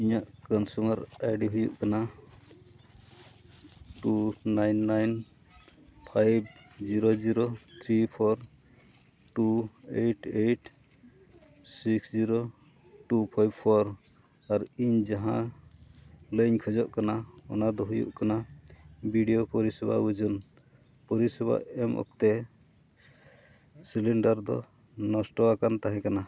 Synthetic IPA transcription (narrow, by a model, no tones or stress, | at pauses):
iɲaʔkɔnsumaɾajɖiɦujṵʔkana | ʈunajnːajn | pʰajb | d͡ʒiɾod͡ʒiɾot̪ʰɾipʰɔɾ | ʈueʈʰeʈ | siksd͡ʒiɾo | ʈupʰajbpʰɔɾ | aɾiɲd͡ʒaɦã | ləɲkʰɔd͡ʒɔʔkanaɔ̰nad̪ɔɦujṵʔkana | biɖijopɔɾisɛba̰ud͡ʒun | pɔɾisɛba̰ɛmʔɔ̰k̚t̪ɛ | silɛɳɖaɾd̪ɔ̰ | nɔsʈɔakant̪aɦɛ̃kana